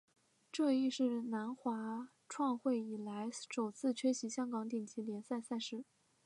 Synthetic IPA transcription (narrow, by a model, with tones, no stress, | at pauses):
ʈ͡ʂɤ˥˧i˥˧ʂɻ̩˥˩na˧˥nxwa˧˥ | ʈ͡ʂʰwɑ˥˧ŋxwe˥˩ɪi˨˩la˧˥ɪʂo˨˩ʊt͡sʰɹ̩˥˧t͡ɕʰɥɛ˥ɕi˧˥ɕjɑ˥ŋkɑ˧˥ŋt̪ɛ˨˩ŋt͡ɕʰi˧˥ljɛ˧˥nsa˥˧ɪsa˥˧ɪʂɻ̩˥˩